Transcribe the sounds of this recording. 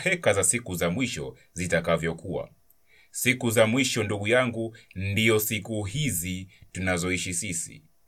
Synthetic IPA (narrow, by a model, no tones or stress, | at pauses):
hɛkazasikuzamwiʃɔ̰ | zitakavjɔkua̰ | sikuzamwiʃɔnduɠujaŋɡundiɔsikuɦizitunazɔiʃisisḭ